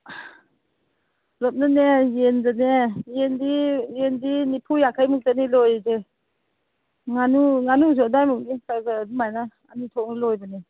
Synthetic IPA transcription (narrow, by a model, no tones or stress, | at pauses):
lɔt̚nanejendanejendijendinipʰujakʰajmuk̚tanilɔjze | ŋanuŋanuzɔdajmuk̚nikazadumajnaːnitʰɔk̚nilɔjbane